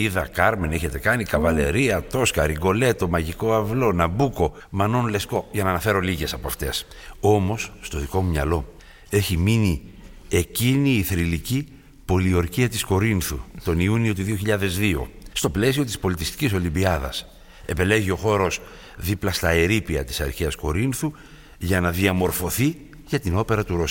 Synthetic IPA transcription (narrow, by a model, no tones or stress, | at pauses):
iðɐkɐɾme̞neçe̞t̪e̞kɐnikɐvɐle̞̰ɾiɐt̪o̞skɐɾiɡo̞le̞t̪o̞mɐʝiko̞ɐvlo̞nɐbuko̞ | mɐno̞nle̞sko̞ʝɐnɐːnɐfe̞ɾo̞liʝe̞sɐpoɐft̪e̞so̞mo̞sːt̪o̞ðiko̞mumɲɐ̰lo̞ | e̞çimini | e̞ciniːθɾilici | po̞lio̞ɾciɐt̪isko̞ɾinθṵt̪o̞niunio̞t̪uðio̞çiʎɐðe̞zðio̰st̪o̞ple̞sio̞t̪̬ispo̞lit̪ist̪i̥ciso̞limbiɐðɐ̰s | e̞pe̞le̞ʝio̞xo̞ɾo̞s | ðiplɐst̪ɐe̞ɾipiɐt̪i̥sɐ̰ɾçiɐsko̞ɾinθu | ʝɐnɐðiɐmo̞ɾfo̞θi | ʝɐt̪ino̞pe̞ɾɐt̪uɾo̞s